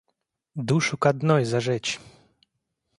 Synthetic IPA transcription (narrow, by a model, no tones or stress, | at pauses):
d̪uʂukad̪nɔjzaʐɛt͡ɕ